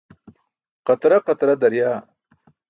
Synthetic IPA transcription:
qɐt̪ɾaqɐt̪ɾad̪ɐɾjaː

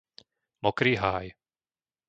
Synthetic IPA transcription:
mɔkɾiːɦaːj

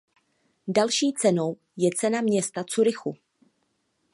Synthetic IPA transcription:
dalʃiːt͡sɛno̞w | jɛt͡sɛnamɲɛst̪at͡suɾɪxu

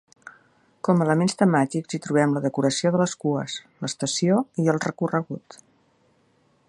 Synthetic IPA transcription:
kɔmələmenst̪əmat̪ikzit̪ɾuβ̞ɛmləðəkuɾəsioðələskuəsləst̪əsioiəlˠrəkurəɣut̪

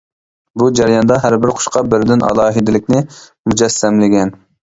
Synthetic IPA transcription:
bud͡ʒɛɾjɑnd̪ɑɦæɾbɪɾqʰʊ̥ʃqɑbɪɾd̪ɪnʔɑ̰lˠɑːɦɨd̪ɪlɪkʲnɪmud͡ʒɛsːɛmlɪɡʲɛn

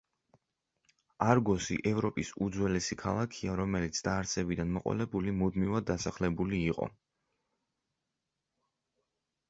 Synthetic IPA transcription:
aɾɡɔsḭʔɛvɾɔpʼisud̪zwɛlɛsikʰalˠakʰiaɾɔmɛlit̪sʰd̪aːɾt̪sʰɛbid̪anmɔqʼwɔ̰lɛbulimud̪mivad̪ːasaχlɛbuliːqʼɔ̰

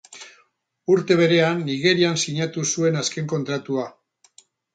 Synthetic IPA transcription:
uɾt̪e̞βe̞ɾe̞anːiɣe̞ɾiansiɲat̪usue̞naske̞ŋko̞nt̪ɾat̪ua

